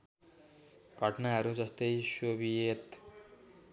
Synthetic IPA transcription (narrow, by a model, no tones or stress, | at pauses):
ɡʱʌʈnaɦʌɾud͡zʌst̪ʌjsobiet̪